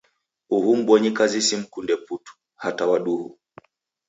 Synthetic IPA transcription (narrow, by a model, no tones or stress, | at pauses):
uhum̩ɓwɔɲikazisim̩kundɛputu̥ | hatawaɗuhu